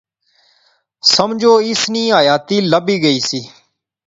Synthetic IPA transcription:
səmd͡ʒoːɪsniːaːjaːt̪iːləbiːɡəiːsiː

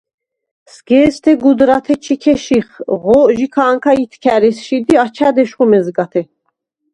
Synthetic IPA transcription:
sɡɛːst̪ʰɛɡud̪ɾat̪ʰɛt͡ʃʰikʰɛʃiχʁɔʒikʰaːŋkʰait̪ʰkʰæɾɛsʃid̪iat͡ʃʰad̪ɛʃχɔmɛzɡat̪ʰɛ

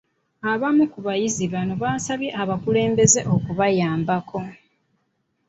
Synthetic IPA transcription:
aβamukuβajiziβanoβaːsaβje̞ʔaβakule̞ːmbe̞ze̞ʔo̞kuβajaːmbakʰo̞

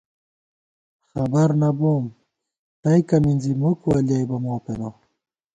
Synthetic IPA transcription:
xabaɾnabom | t̪ajkaminzimukualjajbamoːpeno

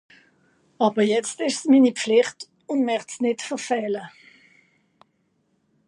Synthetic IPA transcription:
ɑːbəjɛt͡stɪʃsmiːnipflɪχt | ʊndmɛχtsnɪtfəʁfɛːlə

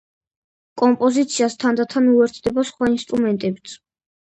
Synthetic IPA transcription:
kʼɔmpʼɔzit̪sʰiast̪ʰand̪at̪ʰanuɛɾt̪ʰd̪ɛbasχwainst̪ʼɾumɛnt̪ʼɛbt̪sʰ

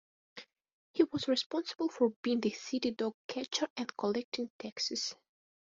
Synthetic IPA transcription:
hiwɔzɹispɔ̃nsəbəl̩ˠfɔɹbiɪ̃ŋðɨsiɾidɔɡ̚kʰæt͡ʃəɹɛ̃nkʰɔlɛk̚tɪ̃ŋtʰɛksɨs

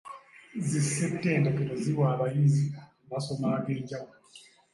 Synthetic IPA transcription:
zisɛptʼɛndakɛdɔziwaβaizika | βasɔmakɛd͡ʒa

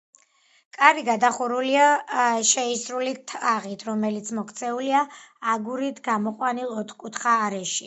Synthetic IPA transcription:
kʼaɾiɡad̪aχuɾuliaʃɛisɾulit̪ʰaʁit̪ʰɾɔmɛlit̪sʰmɔkʰt̪sʰɛuliaːɡuɾit̪ʰɡamɔqʼwanilˠɔt̪ʰχkʼut̪ʰχaːɾɛʃi

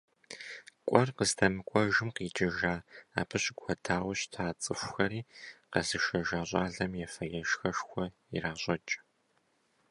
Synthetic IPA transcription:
kʷʼɔrqəztʰɐmɨkʷʼɔʒɪmqiːt͡ʃʼɪʒaːa̰ːpʰɨɕʼɪɡʷxʷɔtʰaːwɕtʰaːt͡sʼɨxʷxɐɾiːqɐzɨʃɐʒaːɕʷʼaːɮɐmjɛfɐjɛʃxɐʃxʷɔ | iraːɕʷʼɔt͡ʃʼ

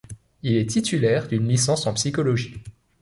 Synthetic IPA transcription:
ilɛt̪it̪ylɛʁd̪ynlisɑ̃sɑ̃psikɔlɔʒi

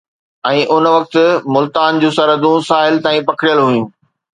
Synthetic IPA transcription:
ɛ̃ːʔʊnʋɐk̚t̪ɪmʊlt̪aːnd͡ʑũːsɐɾəd̪ũsaːɦɪlt̪ãːĩpɐkʰɽjəlɦujũː

